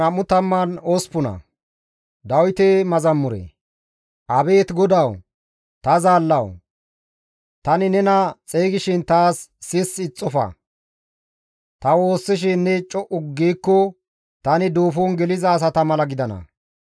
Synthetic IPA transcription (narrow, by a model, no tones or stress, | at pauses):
ɐmːʊt̪ɐmːɐnospʊnɐ̰ | d̪ɐwt̪emɐzɐmːʊɾḛ | ʔɐbe̞ːt̪ɡɔd̪ɐw | t̪ɐzaːlːɐw | t̪ɐnɪnɛnɐt͡sʼeːɡɪʃɪnt̪aːsːɪsɪt͡sʼːɔfɐ̰ | t̪ɐwo̞ːsːɪʃ̬ɪnːɛt͡ʃʼɔʔʊɡːiːkːɔ | t̪ɐnɪd̪uːfonɡɛlɪzɐːs̬ɐt̪ɐmɐlɐɡɪd̪ɐnɐ̰